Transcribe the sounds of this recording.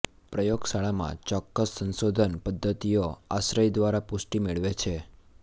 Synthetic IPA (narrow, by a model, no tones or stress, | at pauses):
pɾəjoɡsaɭamã̰t͡ʃɔkːəsːə̃nsod̪ʱənpəd̪ʱːət̪ijoa̰sɾəjd̪ʋaɾapʊsʈimeɭʋet͡ʃʰe